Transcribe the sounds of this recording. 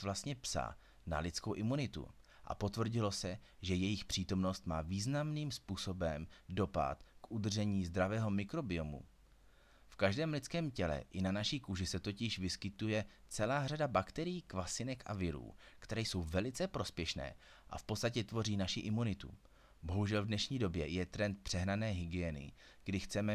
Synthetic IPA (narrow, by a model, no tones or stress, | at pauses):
vlast̪ɲɛpsa̰ | na̰lɪt͡skowʔɪmunɪt̪ṵ | ʔa̰po̞t̪vr̩ɟɪlo̞sɛ | ʒɛjɛjɪxpr̥iːt̪o̞mno̞st̪ma̰ːviːznamniːmspuːso̞bɛmdo̞pa̰t̪kʔud̪r̩ʒɛɲiːzd̪ɾavɛːɦo̞mɪkɾo̞bɪomṵ | fkaʒdɛːmlɪt͡skɛːmcɛlɛ̰ʔɪnanaʃikuʒɪsɛt̪ocɪʃvɪskɪt̪ujɛt͡sɛlaːradabakt̪ɛɾɪjiːkvasɪnɛkʔa̰vɪɾṵːkt̪ɛɾɛːjso̞wvɛlɪt͡sɛpɾo̞spjɛʃnɛ̰ː | ʔa̰fpo̞t̪t͡st̪acɛt̪vo̞riːnaʃɪʔɪmunɪt̪ṵ | bo̞ɦuʒɛlvdnɛʃɲiːdo̞bjɛjɛt̪ɾɛnt̪̚pr̥ɛɦnanɛːɦɪɡɪɛnɪ̰ | ɡ̥dɪxt͡sɛmɛ